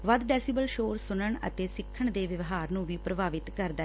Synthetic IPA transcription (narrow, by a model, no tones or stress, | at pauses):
ʋəd̪ɖɛːsiːbəlʃoːɾsʊnəɳə̰t̪eːsɪkʰːəɳd̪eːʋəʋɦaːɾnũːʋiːpɾəbaːʋɪt̪kəɾd̪aː